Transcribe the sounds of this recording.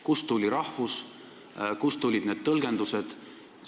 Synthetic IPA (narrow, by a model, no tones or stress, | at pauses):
kust̪ulʲiɾɑhvus | kust̪ulʲid̪ne̞d̪̚t̪ɤlɡ̥e̞nd̪used̪̥